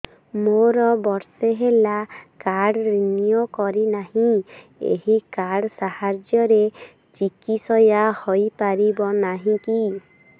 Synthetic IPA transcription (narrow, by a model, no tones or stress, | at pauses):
moɾɔbɔɾseɦelakaɽɾinijokɔɾinaɦĩ | ḛɦikaɽsahaɾd͡ʒjɔɾe | t͡ʃikisɔjahojpaɾibɔnaɦĩki